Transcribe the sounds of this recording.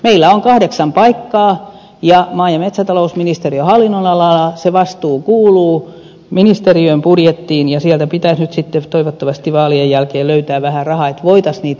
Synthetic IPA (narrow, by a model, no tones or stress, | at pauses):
meilːæoŋkɑhdeksɑmpɑikːɑː | jɑmɑːjɑmet̪sæt̪ɑlousminist̪eriøhɑlːinːonɑlɑlɑseʋɑst̪uːkuːluː | minist̪eriøimpurjet̪ːiːnjɑsiælt̪æpit̪æsnyt̪sit̪ːet̪oiʋot̪ːɑʋɑst̪iʋɑːliejjælkeːlløyt̪æːʋæhærɑhɑet̪ʋoit̪ɑsniːt̪